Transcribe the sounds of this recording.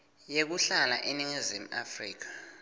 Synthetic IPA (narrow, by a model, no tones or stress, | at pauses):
jek̬uɬala̰ʔiniŋizim̩afriːk̬ḁ